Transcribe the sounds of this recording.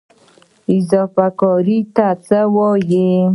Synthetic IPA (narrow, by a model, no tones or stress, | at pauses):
ɪzɔfakɔɾit̪at͡səwɔje